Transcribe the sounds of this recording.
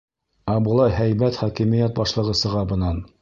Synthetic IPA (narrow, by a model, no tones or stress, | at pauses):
ɑbŭlˠɑjɦæjbæt̪χɑkimĭjæt̪̚bɑʃlˠɤ̆ʁɤsɤ̆ʁɑbɤ̆nɑn